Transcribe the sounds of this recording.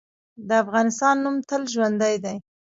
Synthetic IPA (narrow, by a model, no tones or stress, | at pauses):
d̪əafɣɑnɪst̪ɑnːumt̪əlʒwand̪ajd̪aj